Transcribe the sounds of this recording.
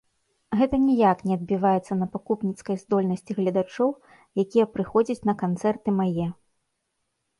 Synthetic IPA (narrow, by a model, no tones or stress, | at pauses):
ɣɛt̪ɐnʲɛjaknʲɛɐd̪̚bʲivajɛt̪sːɐnɐpakupnʲit̪skɐjzd̪ɔlʲnɐsʲt͡sʲiɣlʲɐd̪at͡ʂɔw | jakʲijɐpɾɨxɔd͡zʲɐt͡sʲnɐkant̪sɛrt̪ɨmajɛ